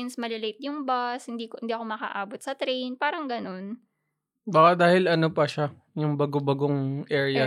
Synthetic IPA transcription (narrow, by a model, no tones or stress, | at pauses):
ɪnsmɐlɪlɛjt̪̚jʊŋbɐshɪnd̪iːkoɪnd̪iːɐkomɐkɐ̰ʔaːbot̪̚sɐt̪ɾejnpaːɾɐŋɡɐno̞n | bakad̪aːhɪlɐnopɐʃa | jʊŋbɐɡobɐɡoŋʔɛːɹɪjɐ